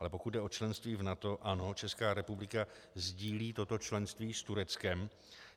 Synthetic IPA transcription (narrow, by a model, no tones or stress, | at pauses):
lɛpo̞kut̪dɛot͡ʃlɛnst̪viːvnat̪o̞ʔano̞t͡ʃɛskaːɾɛpublɪka | zɟiːliːt̪o̞t̪o̞t͡ʃlɛnst̪viːst̪uɾɛt͡skɛm